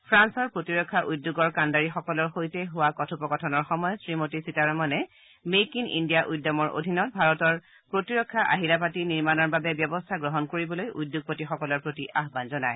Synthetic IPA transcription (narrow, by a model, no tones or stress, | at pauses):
pʰɹansɔɹpɹotiɹɔkʰːaʔudːoɡɔɹkandaɹixɔkɔlɔɹxojtɛɦʊwakɔtʰupɔkɔtʰɔnɔɹxɔmɔjɔsɹimotisitaɹɔmɔnɛ | mejkinḭndijaʔujdːɔmɔɹʔo̰dʱinɔt̚bʱaɹɔtɔɹ | pɹotiɹɔkʰːaʔa̰ɦilap̬atiniɹmanɔɹbabɛbjɔbɔstʰaɡɹɔɦɔnkoɹibɔlojʔujdːjoɡ̚potixɔkɔlɔɹpɹotiʔaɦbanzɔnaj